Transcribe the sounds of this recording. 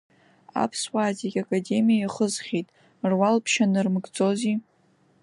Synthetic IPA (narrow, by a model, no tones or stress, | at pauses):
a̰pʰswaːzikʲakʼade̞mijaiχəzχʲetʼ | rwalpʰʃanɨrmɡd͡zʼo̞zi